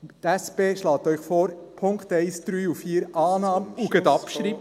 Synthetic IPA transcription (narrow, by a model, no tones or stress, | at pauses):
t̪æspeːʃlɑːt̪œʏχfoːɾ | pʰʊŋkt̪ɛɪsd̪̥ɾyːufiːɾʔɑːnɑːməuɡɛd̪ɑpʃɾip